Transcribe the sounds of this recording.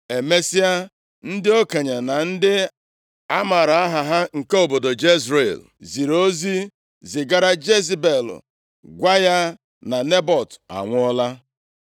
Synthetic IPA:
e˨me˦si˦a˦ | n̩˦dɪ˦o˦ke˨ɲa˨na˨n̩˦dɪ˦ | a˦ma˨ɾa˨a˦ɦa˨ɦa˦ŋ̩˨ke˦o˦˨bo˨do˨d͡ʒe˦zɾe˨l | zi˨ɾo˦zi˦ | zɪ˨ɡa˦ɾa˦d͡ʒe˦zi˦be˨l̰ | ɡʷa˦ja˦ | na˨ne˦bɔ˨ta̰˨ŋʷʊ˦ɔ˦la˦

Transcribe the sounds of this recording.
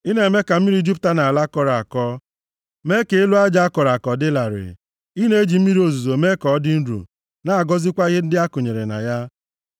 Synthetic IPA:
i˦ne˨me˦ka˨m̩˦i˦ɾi˦d͡ʒi˦pta˦na˨a˨la˦kɔ˨ɾa˨a̰˨kɔ˦ | me˦ke˨e˦lu˦a˦d͡ʒa˦a˦kɔ˨ɾa˨kɔ˨dɪ˦la˨ɾɪ̰˨ | i˦ne˦e˦d͡ʒi˨m̩˦mi˦ɾi˦o˨zu˨zo˨me˦kɔ˨ɔ˦dɪ˦n̩˦ɾṵ˨ | na˦a˨ɡɔ˦zɪ˦kʷa˦i˦ɦe˦n̩˦dɪ˦a˦kʊ˨ɲe˨ɾe˨na̰˨ja˦

